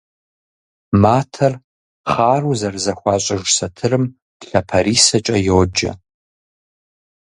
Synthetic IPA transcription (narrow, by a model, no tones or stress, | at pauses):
maːtʰɐr | χaːruzɐrzɐxʷɑːɕʼɐʒsɐtʰɨrɨm | d̥ɬɐpʰɐɾiːsɐt͡ʃʼɐjoːd͡ʒɐ̰